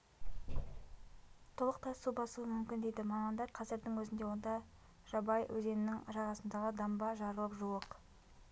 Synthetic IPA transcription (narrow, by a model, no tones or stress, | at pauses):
t̪ʰolˠəq̚t̪ʰɑsubɑsuəmʏmkʲɪnd̪ejd̪ɪmɑmɑnd̪ɑɾqʰɑzɪɾd̪əŋwɵzɪnd̪e̞wo̞nd̪ɑ | ʒ̥ɑbɑjwʔɵze̞mɪnɪŋʒɑʁɑsənd̪ɑʁəd̪ɑmbɑʒɑɾəlˠəpʒuəq